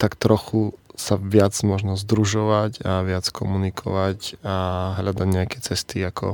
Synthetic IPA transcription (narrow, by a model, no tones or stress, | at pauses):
t̪akt̪ɾɔxusaʋɪad͡zmɔʒnɔzd̪ɾuʒɔʋacaʋɪat͡skʰɔmunikʰɔ̰ʋacaɦlad̪aɟɲɛakɛt͡sɛst̪iakʰɔ̰